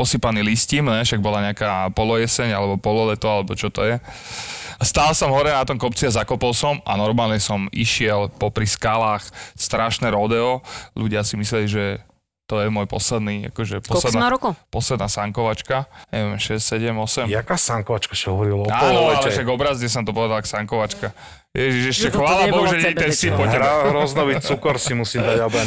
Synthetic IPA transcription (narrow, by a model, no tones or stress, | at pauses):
pɔsipaniliscimnɛʃaɡ̚bɔlaɲɛakaːpɔlɔjɛsɛɲalɛbɔpɔlɔlɛt̪ɔalɛbɔt͡ʃɔt̪ɔjɛ | ast̪aːlsɔmɦɔɾɛnat̪ɔmkɔpt͡siazakɔpɔlsɔma̰nɔɾmaːlɲɛsɔmʔiʃɪɛlpɔpɾiskalaːxst̪ɾaʃnɛɾɔd̪ɛɔluɟɪasimislɛliʒɛ | t̪ɔjɛmɔːjpɔ̰slɛd̪nia̰kɔʒɛpɔsld̪nɾukɔpɔslɛd̪naːsaŋkɔʋat͡ʃkaɲɛ̰ʋɛmʃɛssɛɟɛmɔsɛmjakaːsaŋkɔʋat͡ʃkaʃaɦɔʋɔɾilaaɔɔɛalɛʃaɡɔbɾazɲɛsɔmt̪ɔpɔʋɛd̪alksaŋkɔʋat͡ʃka | jɛʒiʒɛʃɛxʋaːlabɔɦuʒɛlɛiɛst̪ipɔtɛɾɔznɔʋit͡sukɔɾsimusid̪aabɔ